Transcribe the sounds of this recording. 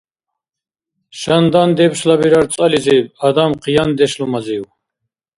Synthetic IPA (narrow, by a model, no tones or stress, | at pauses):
ʃand̪and̪ɛbʃlabiɾaɾt͡s̪ʼaliziad̪amqijand̪ɛʃlumaziw